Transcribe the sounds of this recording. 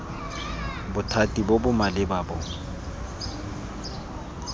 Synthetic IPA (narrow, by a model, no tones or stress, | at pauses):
bʊtʰatʼibobʊmalɪbabʊŋ̩